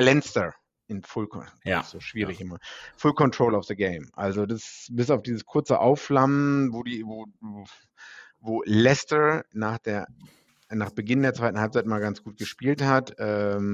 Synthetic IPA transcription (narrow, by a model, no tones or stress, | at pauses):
lɛnstə | ʔɪnfʊlkʰɔz̥oːʃv̥iːʁ̞ɪçʔɪmɐfʊlkʰɔntʁ̥oʊlɔfðəɡeɪmʔa̰lzodasbɪsaʊfd̥iːzəskʰʊɐt͡səʔa̰ʊflamənvoːdiːvoː | voːlɛstənaːχd̥eːɐ | naːχb̥əɡɪndeːɐt͡svaɪtn̩halp̚t͡saɪtmaːlɡant͡sɡ̥uːt̚ɡ̥əʃpiːlthatʔɛːm